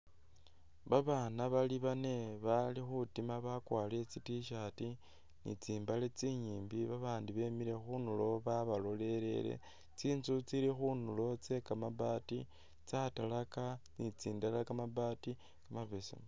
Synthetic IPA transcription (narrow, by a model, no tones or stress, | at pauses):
βaβaːnaβaliβane̞βalixutimaβakwaːlet͡sitiʃati | nḭt͡siːmbale̞t͡siɲiːmbiβaβaːndiβe̞miɾe̞xunulo̞βaβalo̞le̞ɾe̞̰le̞̰ | t͡siːnzut͡silixunulo̞t͡se̞kamabaːti | t͡satalakanit͡siːndalakamabati | kamaβesḭm